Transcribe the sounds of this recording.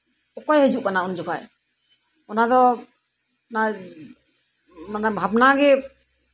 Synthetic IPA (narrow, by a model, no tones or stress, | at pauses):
ɔkɔjɦəd͡ʒuʔkanaund͡ʒɔkaj | ɔnad̪ɔ | na | manabʱabnaɡɛ